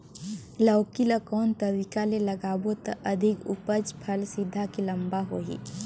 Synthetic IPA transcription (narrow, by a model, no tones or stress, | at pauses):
ləːkilakɔːnt̪ɐɾikalelɐɡaːwot̪əʔɐd̪ʱɪkʊ̰pəd͡ʒpʰəlsɪd̪ʱːakilə̃mbaɦoːɦḭː